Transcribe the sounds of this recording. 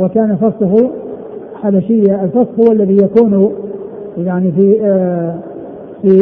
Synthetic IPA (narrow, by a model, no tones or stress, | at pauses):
wɪkaːnafɑsˤlʊɦʊ | ħabaʃɪjːaɪlfɑsˤhʊwalːaðijakuːn | jaʕnifi | fi